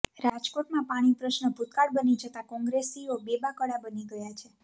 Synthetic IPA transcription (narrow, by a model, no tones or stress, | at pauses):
ɾad͡ʒkoʈmãpaɽ̃ipɾəʃnəbʱut̪kaɽbənid͡ʒʱət̪akɔ̃ŋɡɾesiobebakəɽabəniɡəjat͡ʃʰe